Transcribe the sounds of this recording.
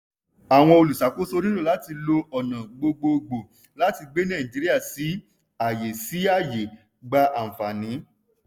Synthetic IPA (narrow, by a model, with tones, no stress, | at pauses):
a˨w̃ɔ̃˧o˧lu˨sa˨˦ko˦so˦˧ɾĩ˦lo˦˨la˨˦ti˧lo˧ɔ˨nã˨ɡ͡bo˧ɡ͡bo˧ɡ͡bo˨ | la˦ti˧ɡ͡be˦nɛ̃˦˨ĩ˨d͡ʒi˨ɾi˦a˦˨si˨˦ | a˨je˨si˨˦a˦˨je˨ | ɡ͡ba˧ʔa˨fa˨nĩ˨˦